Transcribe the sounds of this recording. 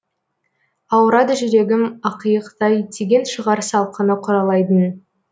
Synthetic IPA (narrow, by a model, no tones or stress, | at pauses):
ɑwɾɑd̪əʒʏɾe̞ɡʲɪmɑqəjəqt̪ɑjd̪e̞ɡʲe̞nʃəʁɑɾsɑlˠqʰənəqʰʊɾɑlˠɑjd̪ən